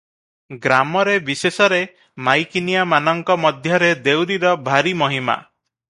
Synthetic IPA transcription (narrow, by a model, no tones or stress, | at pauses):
ɡɾamɔɾebisesɔɾe | majkinijamanɔŋkɔmɔd̪ʱjɔɾed̪ewɾiɾɔbʱaɾimɔɦima̰